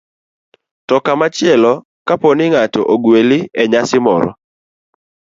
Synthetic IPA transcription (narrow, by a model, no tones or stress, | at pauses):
tɔkamat͡ʃɪɛlɔ | kaponɪŋatɔ̰ʔoɡwelɪɛɲasɪmɔ̰ɾɔ̰